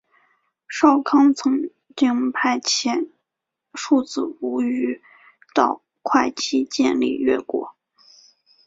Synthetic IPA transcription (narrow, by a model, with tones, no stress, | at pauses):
ʂɑ˥˩ʊkʰɑ˥ŋt͡sʰɤ˧˥ŋ | t͡ɕ̪i˥ŋpʰa˥˩ɪt͡ɕʰjɛ˧˥n | ʂu˥˧t͡sɹ̩˥˩u˧˥y˧˥ | t̪ɑ˥˧ʊ | kʰwa˥˧ɪt͡ɕʰi˥t͡ɕjɛ̰˥˧nlḭ˥˧ɥɛ̰˥˩kwɔ̰˧˥˦